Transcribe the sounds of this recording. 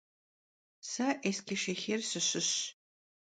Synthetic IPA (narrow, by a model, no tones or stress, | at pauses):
sɐʔeskʲiʃexeːrsɨɕɪɕ